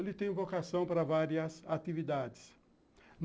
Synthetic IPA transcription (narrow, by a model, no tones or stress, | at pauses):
lɪt̪ẽj̃vokasɐ̃w̃paɾɐvaɾiɐsat̪ivid̪ad̪ɪs | n